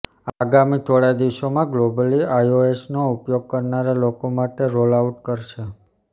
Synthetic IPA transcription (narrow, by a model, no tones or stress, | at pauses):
aɡamit̪ʰoɭad̪iʋʃomãɡlobəliajoesnoupjoɡ̚kəɾnaɾelokomaʈeɾolauʈkəɾʃe